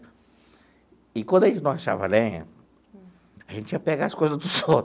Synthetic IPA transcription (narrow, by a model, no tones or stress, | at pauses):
ɪkwʷɐ̃nd̪ɐẽt͡ʃnɐ̃w̃aʃa̰vɐ̰lẽ | aʒẽnt͡ʃiɐpeɡaːskojzɐzd̪ʊso